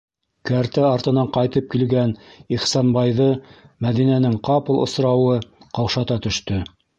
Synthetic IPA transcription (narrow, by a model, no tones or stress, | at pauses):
kæɾt̪æɑɾt̪ɤ̆nɑɴqɑjt̪ɤp̚kilɡæniχsɑnbɑjðɤmæðinænɘŋqɑpɤ̆lˠŏ̰sɾɑwɤqɑwʃɑt̪ɑt̪ɵ̆ʃt̪ɵ